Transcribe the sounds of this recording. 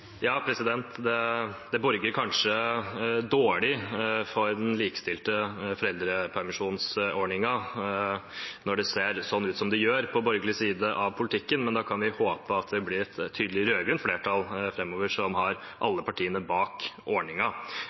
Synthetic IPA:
jɑːpʰɾɛsɪd̪ɛnt̪d̪ɛd̪ɛbɔɾɡəɾkʰɑnʂə | d̪oːɭɪfɔɾd̪ɛnliːkə̥st̪ɪlt̪əfɔɾɛld̪ɾəpʰæɾmɪʂuːnsɔɳɪŋɑ | nɔɖɛseːɾsɔnːʉːt̪sɔmd̪ɛjøːɾpʰɔbɔɾɡəlɪsiːd̪əʔɑʋpʰʊlɪt̪ʰɪkːənmɛnd̪ɑːkʰɑnʋɪhoːpʰəɑt̪d̪ɛblɪɾɛt̪ʰːyːd̪lɪɾøːɡəɛnfleːʈʰɑlfɾɛmːɔːʋəʂɔmɦɑɾ | ʔɑ̰lːəpʰɑʈʰiːənəbɑːkʔɔɳɪŋɑ

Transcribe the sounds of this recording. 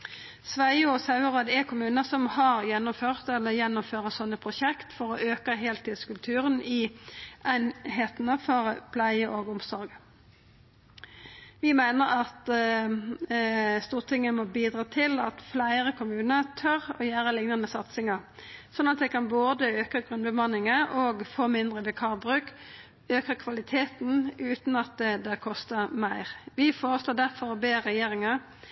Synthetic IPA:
sʋæɪɔsɑʉəʁoːd̪ɛkʰʊmʉːnəsɔmhɑʁjɛnːʊmføːʁt̪ɛlːəjɛnːʊmføːʁəsɔnːəpʰʁʊʃɛkt̪fɔɾɔʔøːkəɦeːlt̪ʰːiːd̪skʉlt̪ʰʉːʁənɪʔæɪnɦeːt̪ənəfɔʁəpʰlæɪəʔoːɡʊmsɔɾɡ | ʋɪmæɪnəɾɑt̪ | st̪uːʁt̪ʰɪŋːəmɔbiːd̪ʁɑːt̪ʰɪlɑ̰t̪flæɪʁəkʰʊmʉːnət̪ʰœʁɔ̰jæːɾəlɪŋnɑnəsɑt̪sɪŋəʁsɔnːɑt̪̚d̪ɛkʰɑnboːd̪əøːkəɡʁʉnbəmɑnɪŋəʔoːɡfoːmɪnd̪ʁəʋɛkʰɑːʁbʁʉːk | øːkəʁkʰʋɑlɪt̪ʰeːt̪n̩ʉːt̪n̩ɑt̪̚d̪ɛd̪ɛkʰɔst̪əmæɪʁʋɪfoːʁəsloːd̪æʁfɔɾɔbeːʁɛjeːɾɪŋə

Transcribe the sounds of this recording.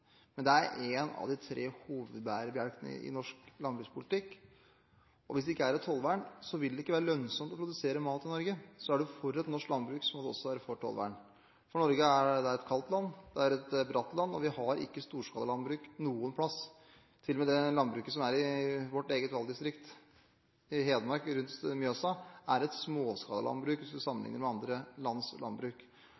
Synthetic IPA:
mɛnd̪ɛæɾʔenɑ̰ʋd̪ɪt̪ʰɾʔeːhuːʋəd̪bæːɾəbəjæɽknə̰ʔɪ̰nɔʂklɑnbɾʉːkspʰʊlɪt̪ʰɪkː | ɔ̰ʋɪsd̪ɛɪkːəæɾɛt̪ʰːɔlʋæːɳsɔʋɪld̪ɛɪkːəʋæːɾəlœnsɔmt̪ɔpʰɾʊd̪ʉseːɾəmɑːt̪ɪnɔɾɡəsɔæɖʉfɔɾːɛt̪nɔʂklɑnbɾʉːksɔmɔd̪ɛɔ̰sːɔʋæːɾəfɔʈʰɔ̰lʋæ̰ːɳ | fɔɳɔɾɡəæd̪ɛæɾɛt̪kʰɑlt̪lɑnːd̪̥ɛæɾɛt̪bɾɑːt̪lɑnːɔ̰ʋɪhɑɾɪ̰kːəst̪uːʂkɑːd̪əlɑnbɾʉːknuːənpʰlɑs | t̪ʰɪlmɛd̪ɛlɑnbɾʉːkəsɔmæɾɪʋɔʈːeːɡət̪ʋɑld̪ɪst̪ɾɪkt̪ | ɪheːd̪əmɑɾkɾʉnt̪mjʏɛsɑːæɾɛt̪smoːskɑːd̪ə̰lɑ̰nbɾʉːkʋsd̪ʉsɑmːənlɪ̰ŋːəɾmɛɑnd̪ɾəlɑnːslɑ̰nbɾʉːk

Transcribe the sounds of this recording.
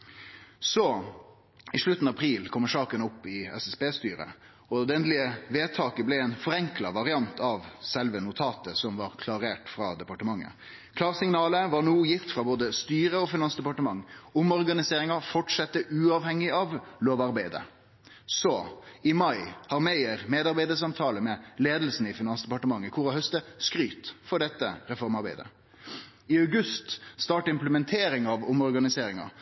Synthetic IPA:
sɔ | ɪʂɭʉt̪ːnɑɑpʰɾiːlkʰɔmːəʂɑːkənʊpːɪɛ̰sɛspeːst̪yːɾə̰ | ɔd̪ɛnd̪lɪəʋeːt̪ʰɑːkəblɛɛnfɔɾɛŋklɑʋɑʁɪɑnt̪ʰɑʋsɛlʋənʊt̪ʰɑːt̪əsɔmʋɑːʁkʰlɑɾeːʈfɾɑ̰ːd̪ɛpɑʈəmɑŋːə̰ | kʰlɑːʁsɪŋnɑːləʋɑːʁɳuːjɪft̪fʁɑboːd̪əst̪yːɾəɔfɪnɑnsd̪ɛpɑʈəmɑŋːʊmɔʁɡɑnɪseːɾɪŋɑfɔʈʂɛt̪ːəʔʉːɑʋhɛŋːɪɑʋloːʋɑʁbæɪd̪ə̰ | sɔɪmɑɪhɑɾmæɪəʁmeːd̪ɑɾbæɪd̪əs̬ɑmt̪ʰɑːləmɛleːd̪l̩sn̩ɪfɪnɑnsd̪əpɑʈəmɑŋːəkʰʊːɾɑhœst̪əskɾyːt̪fɔɾɖɛt̪ːə̰ɾɛfɔɾmɑʁbæ̰ɪd̪ə̰ | ɪɑʉɡʉst̪st̪ɑːʈəɪmpləmɛnt̪ʰeːɾɪŋɑʋʊmɔʁɡɑnɪseːɾɪŋɑ̰

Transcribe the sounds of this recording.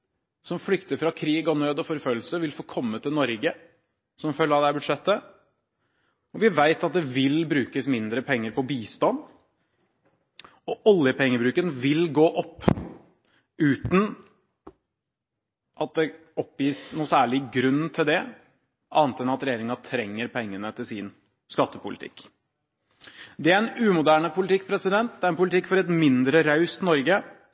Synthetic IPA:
sɔmfɽʏkt̪əɾfɾɑkʰɾiːɡɔnøːd̪ɔfɔɾfœʏl̩səʋɪlfoːkʰɔmːət̪ʰɪlnɔɾɡə | sɔmfœlːəɑd̪ɛæːɾbʉd̪ʂɛt̪ːə | ɔʋɪʋæɪt̪ɑt̪̚d̪ɛʋɪlbɾʉːkəsmɪnd̪ɾəpʰɛŋːəɾpɔbiːst̪ɑn | ɔʔɔljəpʰɛŋːəbɾʉːkənʋɪlɡoːʔɔpː | ʉːt̪n̩ | ʔɑt̪̚d̪ɛ | ɔpːjiːsnuːsæːɭɪɡɾʉnːt̪ʰɪld̪ɛ | ʔɑːnt̪ʰɛːnɑt̪ɾɛjeːɾɪŋɑt̪ʰɾɛŋːəɾpʰɛŋːənət̪ʰɪlsɪn | skɑt̪ːəpʊlɪ̰t̪ʰɪ̰kː | d̪ɛæɾɛnʉːmʊd̪æːɳəpʊlɪt̪ɪkːpʰɾɛsɪd̪ɛnt̪̚d̪ɛæɾɛnpʊlɪt̪ʰɪkːfɔɾɛt̪mɪnd̪ɾəɾɑʉst̪nɔɾɡə

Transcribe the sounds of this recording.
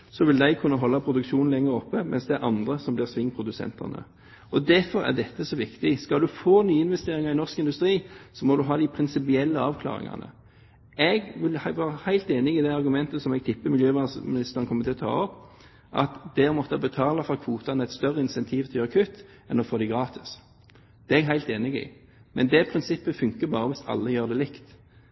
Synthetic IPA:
sɔʋɪld̪æɪkʰʉnːəɦɔlːɑpʰɾʊd̪ʉkʃuːnn̩lɛŋːəɾɔpːəmʔɛnsd̪ɛæɾʔɑnd̪ʁəsɔmblɪːʁsʋɪŋːpʰɾʊd̪ʉsɛ̰nt̪ʰɑ̰nə̰ | ɔd̪æɾfɔɾæ̰ʁd̪ɛt̪ːəsɔʋɪkt̪ɪskɑld̪ʉfoːnyːɪnʋɛst̪eːɾɪŋɑʁɪnɔʁskɪnd̪ʉst̪ɾiːsɔmɔd̪ʉɦɑːd̪æɪpʰɾɪnsɪpɪɛlːəɑːʋkʰlɑ̰ːʁɪ̰ŋɑ̰nə̰ | ɛɡʋɪlhʋɑːɾəhæɪlt̪eːnɪɡɪd̪ɛɑɾʁɡʉmɛnt̪əsɔmɛɡ̚t̪ʰɪpːəmɪljøːʋɑnsmɪnɪst̪əʁənkʰɔmɪt̪ʰet̪əhɑ̰ɔpː | ʔɑ̰t̪d̪ɛmɔt̪ːəbət̪ʰɑːlɑfɾɑkʰʋuːt̪ɑnəɛt̪st̪œʁːəɪnsɛnt̪ʰiːʋt̪ʰljøːɾəkʰʉt̪ː | ʔɛnɔfoːd̪ɪɡɾɑːt̪ɪ̥s | d̪̥ɛɛɡɦæɪlt̪eːnɪɡɪ̰ | mɛnd̪ɛpʰɾɪnsɪpːəfʉŋkəbɑːɾəʋɪsɑ̰lːəjøːʁd̪ɛlɪkt̪

